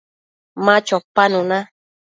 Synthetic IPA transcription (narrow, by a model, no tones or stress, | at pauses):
mãt͡ʃɔpanũnã